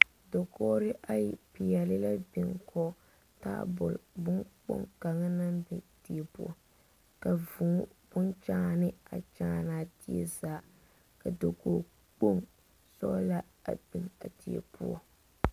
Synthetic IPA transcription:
do˨kɔː˦ɾɪ˦ʔa˦ji˨pi˨ɛ˨lɪ˦la˦bɪ˨ŋkʰɔ˦ | ta̰ː˦bʊ̰˨lbʊ˦ŋk͡po̰˦ŋka˨ŋa˦na˦mbɛ˨ti˨e˨pu˦ɔ˦ | ka˨vu˨˦b̥ʊ˦nt͡ʃaː˦nɪ˦a˨t͡ʃaː˦naː˨ti˦ḛ˦zaː˨ | ka˨do˨ko˨ | k͡po˦ŋ | sɔ˦la˦ | a̰˨bɪ˨ŋa˨ti˨ḛ˨pṵ˦ɔ̰˦

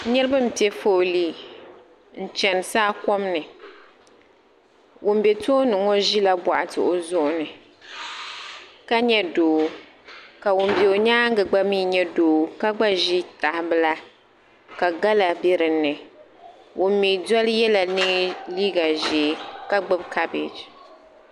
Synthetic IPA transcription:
nɨ˦ɾɨ˦bɨ˦m̩˨pi˦ɛ˦fo˦˨liː˦˨ | n̩˦˨t͡ʃɛ˨n˨saː˦kɔ˦mnɨ˨ | wʊ˨m˦bɛ˨to˦nɨ˨ŋɔ˦ʒi˦la˦ba̰˨ʔa˨tɨ̰˨ʔo˨zʊ˦ʔʊ˨nɨ˨ | ka˦ɲɛ˦doː˨˦ | ka˨wʊ˨m˨bɛ˨o˨ɲaː˦ŋ˦ɡɨ˨ɡ͡ba˦miː˦ɲɛ˦doː˨˦ka˦ɡ͡ba˦ʒi˦ta˨hɪ˨bɨ˦la˦ | ka˨ɡa˦la˨bi˦ɾɨ˨nːɨ˨ | wʊ˨m˦mi˨dɔ˦lɨ˦jɛ˦la˨nɨ˦ŋliː˦ɡa˨ʒeː˨˦ka˦ɡ͡bɨ˦bka˦bḛ˨d͡ʒ

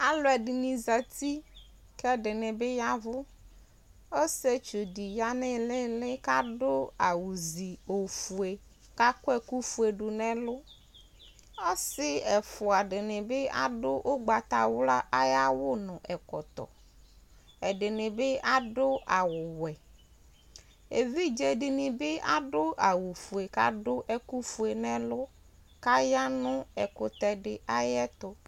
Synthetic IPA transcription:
a˨lʊ˦ɛ˨ɖɪ˨nĩ˨za˨t̪i˦ | kɛ˦ɖɪ˨nɪ˨be˦ja˦vʊ˦ | o˦se˦t͡ʃo˨di˨ja˦nɪ˦lɪ˦lɪ˦ka˦ɖʊ˦a˨wu˨zi˨o˨fu˨e˨ | ka˦kʊ˦ɛ˦ku˦fu˦e˨ɖu˨nɛ̃˦lʊ˦ | ɔ˦sɪ˦ɛ˨fʊ˨a˨ɖɪ˨nɪ̃˨be˦a̰˦ɖʊ˦ʔo˦ɡ͡ba˨t̪a˨wla˦a˦ja˦wʊ˦nʊ̃˨ʔɛ˨kɔ̰˨t̪ɔ̰˨ | ɛ˨ɖɪ˨nɪ̃˨be˦a˦ɖʊ˦a˨wʊ˨wɛ˨ | e˨vi˦d͡ʒɛ˨ɖɪ˨nɪ̃˨bɪ˦a˦ɖʊ˦ʔa˨wu˨fu˨e˨ka̰˦ɖʊ˦ʔɛ˦ku˦fu˨e˨nɛ̃˦lʊ˦ | ka˦ja˦nʊ̃˦ɛ˨kʊ˨t̪ɛ˨ɖɪ˨a˦jɛ˦t̪ʊ˦

